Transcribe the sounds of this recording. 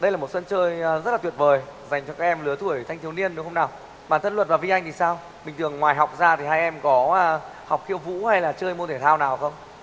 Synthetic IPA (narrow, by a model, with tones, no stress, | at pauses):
ɗə˧jlaː˨˩mo˨˩t̚sə˧nt͡ɕəː˧jzə˦˥t̚laː˨˩wət̚vəː˨˩jza˨˩jŋ̟t͡ɕɔ˧kaː˦k̚ʔɛ˧mlɨ˨˦ət̪ʰu˧˩əjt̪ʰa˧jŋ̟t̪i˨˦ni˧ənɗɨ˨˦xə˧wŋ͡mnaː˨˩w | ɓaː˨˩nt̪ʰə˧nlwə˨˩t̚vaː˨˩vi˧ʔa˧jŋ̟t̪ʰi˨˩saː˧w | mï˨˩ŋ̟t̪ɨ˨˩əŋːwaː˨˩jɦa˨˩wk͡p̚zaː˧t̪ʰi˨˩ɦaː˧jʔɛ˧mkɔ˨˦˧ | ha˨˩wk͡p̚xḭ˧əwvṵ˧˥ha˧jlaː˨˩t͡ɕəː˧jmo˧t̪ʰe˧˩t̪ʰaː˧wnaː˨˩wxə˧wŋ͡m